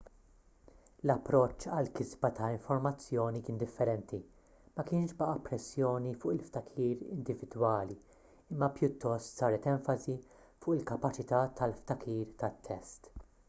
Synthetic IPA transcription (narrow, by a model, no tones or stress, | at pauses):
lɐpːɾɔt͡ʃːɐlkɪzbɐt̪ɐɪɱfɔɾmɐt͡sːjɔːnikɪːnd̪ɪfːɛɾɛnt̪i | mɐkɪːnʃbɐʔɐpɾɛsːjɔːnifʊːʔɪlft̪ɐkʰiːɾɪ̰nd̪ɪvɪd̪wɐːli | ɪmːɐpjʊt̪ːɔst̪sɐːɾɛt̪ɛɱfɐzi | fʊːʔɪlkɐpɐt͡ʃɪt̪ɐt̪ʰɐlft̪ɐkʰiːɾt̪ɐt̪ʰːɛst̪